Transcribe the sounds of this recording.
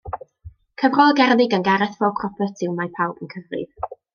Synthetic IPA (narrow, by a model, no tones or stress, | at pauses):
kʰəvrɔlˠəɡɛrðɪɡənɡaɾɛθvɔpʰrɔpʰətʰɪwmajpʰawbənkʰəvrɪ̰ð